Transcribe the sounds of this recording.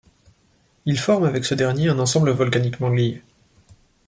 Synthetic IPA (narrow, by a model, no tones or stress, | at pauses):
ilfɔʁmavɛksəd̪ɛʁnjeɛ̃nɑ̃sɑ̃bləvɔlkanikmɑ̃li